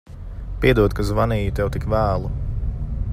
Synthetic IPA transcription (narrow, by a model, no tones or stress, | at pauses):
piɛd̪uɔd̪̚kazvaniːjut̪ɛwt̪ikvæːlˠu